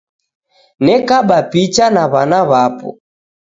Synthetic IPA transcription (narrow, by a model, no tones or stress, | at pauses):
nɛkaɓapit͡ʃanaβanaβapɔ̰